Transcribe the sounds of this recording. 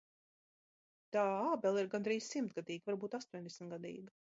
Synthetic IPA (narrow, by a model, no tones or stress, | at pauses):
t̪aːaːbɛlˠiɾɡand̪ɾiːssimt̪̚ɡad̪iːɡvaɾbuːt̪ast̪uɔɲʲd̪ɛsmt̪ɡad̪ḭːɡ